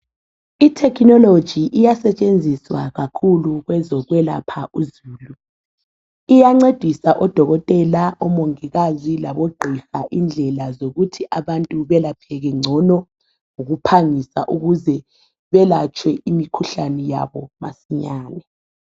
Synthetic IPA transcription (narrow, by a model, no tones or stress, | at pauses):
itʰɛkʰnɔlod̥ʒ̥ʱiʔijasɛt͡ʃʼend͡zʱiswaɣakʰuluɣwɛzɔɣwɛla̰pʰaʔuzuːlu | ijaŋ͡ǀed̥ʱisaʔɔd̥ʱɔɣɔtʼɛlaʔɔmoŋiɣazilaβoɡ͡ǃʱifaʔind͡ɮʱɛlazoɣutʰiʔaβantʼuβɛlapʰɛɣɛŋ͡ǀʱɔnɔ | ŋoɣupʰaŋisa̰ʔuɣuzɛ | βɛlat͡ʃʰʼwɛimikʰuɬanɛja̰βɔmasiɲaːnɛ